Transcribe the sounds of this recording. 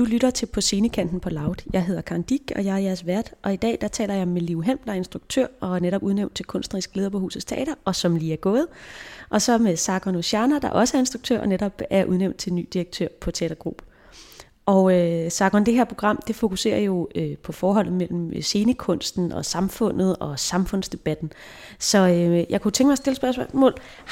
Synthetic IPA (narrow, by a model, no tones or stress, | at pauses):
d̥ulyɾɐt͡sʰe̝pʰɒ̽se̝ːnəkʰæn̰d̥n̩pʰɒ̽lɑ̈ʊd̥jɑ̈ɪɦe̝ð̞̰ˠɐkʰɑ̈nd̥iɡ̥ɒ̽jɑ̈ɪhɐjæɐsʋæɐd̥ʔɒ̽id̥ɛ̰ːd̥ɑ̈t͡sʰɛ̰ːlɐjɑ̈ɪmeliʊɦemd̥ɑ̈æɐe̝nsd̥ʁuɡ̥t͡sʰø̰ɐ̰ɒ̽æɐneɾɒ̽b̥uð̞ˠneʊn̥̚t͡sʰe̝lkʰɔ̽nsd̥n̩ɐʁisɡ̥leðˠɐpʰɒ̽hṵːsəst͡sʰeɛ̰ːɾ̥ɐʔɒ̽sɒ̽mliːæɐɡ̥ɔ̽ːð̞̩ˠʔɒ̽sɒ̽mesɑ̈ɡ̥ʁɒnoɕænɐd̥ɑ̈ʔɒ̽səæɐe̝nsd̥ʁuɡ̥̚t͡sʰø̰ɐ̰ʔɒ̽neɾɒ̽b̥æɐʔuð̞ˠneʊnd̥̚t͡sʰe̝lny̰ːd̥ieɡ̥̚t͡sʰø̰ɐ̰pʰɒ̽t͡sʰeɛ̰ːd̥ɐɡ̥ʁṵːb̥ | ʔɒʊøsɑ̈ːɡ̥ʁɒnd̥eɦeɐ̰pʰʁo̝ɡ̥ʁɑ̈m̰d̥e̝fo̝kʰuse̝̰ːɐjo̝øpʰɒ̽fɒːɦɒ̽l̰ð̩ˠmel̰m̩se̝ːnəkʰɔ̽n̰sd̥n̩ɒ̽sɑ̈mfɔ̽n̰ð̩ˠɒ̽sɑ̈mfɔ̽n̰sd̥e̝b̥æd̥n̩ | sɒ̽øjɑ̈ɪkʰut͡sʰeŋɡ̥masd̥e̝ləsb̥ɶɐsmɔ̰̽ːl